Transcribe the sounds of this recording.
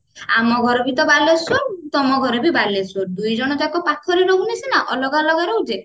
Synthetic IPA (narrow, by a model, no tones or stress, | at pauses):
a̰mɔɡʱɔɾɔbit̪ɔbalesoɾt̪ɔmɔɡʱɔɾɔbibalesoɾd̪ujd͡ʒɔɽ̃ɔd͡ʒakɔpat̪ʰɔɾeɾoɡunisinaʔɔlɔɡalɔɡaɾowd͡ʒe